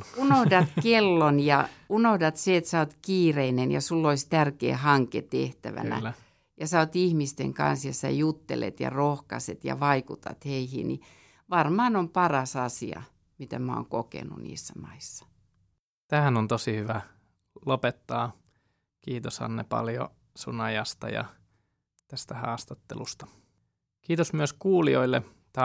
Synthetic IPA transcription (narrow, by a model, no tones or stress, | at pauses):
unohdɑt̪kelːonjɑunohdɑt̪seet̪sæot̪kiːreinenjɑsulːoist̪ærkḛːhɑŋkḛt̪eht̪æʋæ̰næ̰ | jɑsæot̪ihmist̪eŋkɑ̰nsjɑsæjut̪ːelḛt̪jɑ̰rohkɑset̪jɑ̰ʋɑikut̪ɑ̰t̪heihḭni | ʋɑrmɑːnompɑrɑsɑsiɑ̰ | mit̪æmæo̰ːŋkokḛnṵnḭːsːæmɑisːɑ̥ | t̪æːænont̪osihyʋæ | lopet̪ːɑː | kiːt̪oshɑ̰nːepɑ̰ljo̰ | sunɑjɑst̪ɑjɑ̰ | t̪æst̪æhɑːst̪ɑt̪ːelust̪ɑ̥ | kiːt̪osmyøskuːlioilːe | t̪ɑ